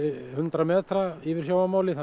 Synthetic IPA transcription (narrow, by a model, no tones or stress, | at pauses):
hʏnt̪ɾamɛːt̪ɾaivɪɾ̥sjaːwamaːwlɪθa